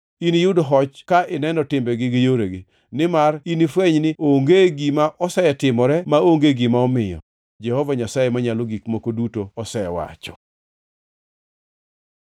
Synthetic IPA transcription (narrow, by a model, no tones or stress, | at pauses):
inijʊdɔɦɔt͡ʃkaʔɪnɛnɔtɪmbɛɡɪɡɪjoɾeɡɪ | nɪmarinifweɲnɪoŋɡeɡimaʔɔsɛɛtɪmɔɾɛmaoŋɡeɡimaɔmɪjɔ̰ | d͡ʒɛhɔvaɲasajemaɲalɔɡikmokodutoɔsɛɛwa̰t͡ʃɔ̥̰